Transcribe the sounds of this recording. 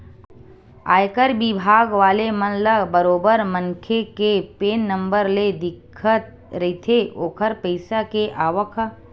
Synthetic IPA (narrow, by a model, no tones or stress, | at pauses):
a̰ːjkəɾbɪbʱaːɡʋaːlemənləbəɾoːbəɾməŋkʰekepeːnːə̃mbəɾled̪ɪkʰːət̪̚ | ɾɐɦit̪ʰeʔoːkʰəɾpəɪsakeʔaːʋəkʰ